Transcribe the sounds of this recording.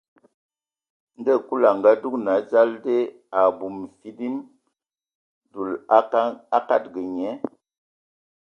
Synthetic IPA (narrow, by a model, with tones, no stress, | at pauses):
n˦də˦˨ku˦la˨ŋ˨ɡa˦du˦kna˨˦d͡ʒa˦lde˦ | a˨bu˨m˨fi˦di˦m | du˨la˦ka˦t̚ɡə˨ɲɛ˨˦